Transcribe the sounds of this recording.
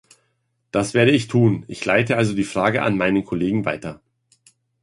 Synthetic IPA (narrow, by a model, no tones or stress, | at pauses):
d̥asv̥eːɐɾəɪçtʰuːnʔɪçlaɪtəʔalzodiːfʁ̥aːɡəʔa̰nmaɪnənkʰoleːɡŋ̩va̰ɪtɐ